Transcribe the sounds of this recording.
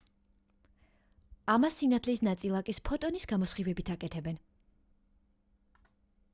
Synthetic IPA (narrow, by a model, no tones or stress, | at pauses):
amasːinat̪ʰlisnat̪sʼilˠakʼispʰɔt̪ʼɔnisɡamɔsχivɛbit̪ʰakʼɛt̪ʰɛbɛn